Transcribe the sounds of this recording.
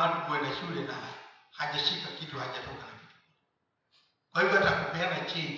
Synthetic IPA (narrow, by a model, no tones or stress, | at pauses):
atukuɛnaʃulɛna̰ | haʄaʃikakituhaʄatɔkaakitu̥ | kwahivɔatakupɛanat͡ʃi